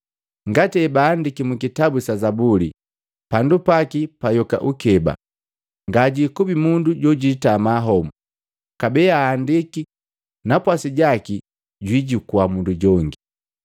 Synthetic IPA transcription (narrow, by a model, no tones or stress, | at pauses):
ŋɡatɛbandikimukitabusazabuli | pandupakipajɔka̰ʔukɛba̰ | ŋɡaɟikubimunduɟɔɟitamaɦɔmu | kabɛaːndiki | napwasiɟaki | ɟwiɟukuamunduɟɔŋɡi